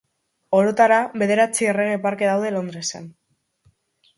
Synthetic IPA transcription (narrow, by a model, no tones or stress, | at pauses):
o̞ɾot̪aɾaβe̞ðe̞ɾat͡siere̞ɣ̞e̞paɾke̞ðawðelo̞nd̪ɾe̞sen